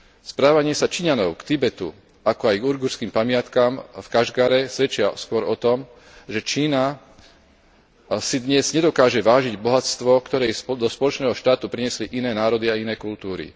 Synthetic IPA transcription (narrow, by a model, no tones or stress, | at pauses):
spɾaːʋaɲɪɛsat͡ʃiɲanɔʊkt̪ibɛt̪ṵ | akɔajɡuɾɡuɾskiːmpamɪat̪kamfkaʒɡaɾɛsʋɛt͡ʃɪaskʊɔɾɔt̪ɔm | ʒɛt͡ʃiːna | sid̪ɲɛz̥ɲɛd̪ɔkaːʒɛʋaːʒiɟbɔɦat͡st̪ʋɔkt̪ɔɾɛjsd̪ɔspɔlɔt͡ʃnɛːɦɔʃt̪aːt̪upɾiɲɛsliʔinɛːnaːɾɔd̪iainɛːkult̪uːɾḭ